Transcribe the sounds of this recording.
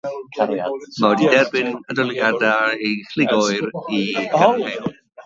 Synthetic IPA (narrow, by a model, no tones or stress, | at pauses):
kʰaɾja̰mawɛdidɛrbɪnədɔlˠiadaexlɪɡɔɨriɛn